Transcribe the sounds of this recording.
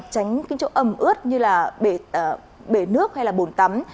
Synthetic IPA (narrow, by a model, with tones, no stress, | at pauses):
t͡ɕa˨˦jŋ̟ka˨˦ŋ̟t͡ɕo˨˦ʔə˨˩mʔɨ˦˥ət̚ɲɨ˧laː˨˩ɓe˧˩˨ | ɓe˧˩nɨ˦˥ək̚ha˧jlaː˨˩ɓo˨˩nt̪a˨˦m